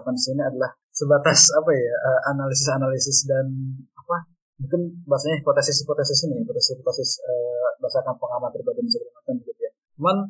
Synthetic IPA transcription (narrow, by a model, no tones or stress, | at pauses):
pansiniadalah | səbat̪asapajaəʔanalisɪsanalisɪsdanapa | muŋkɪnbaasaɲapot̪asɪspot̪asɪsinijapot̪asipot̪asɪsəbaasakanpəŋamat̪̚ɾibaɡinisəbəlamat̪anbəɡit̪uja | man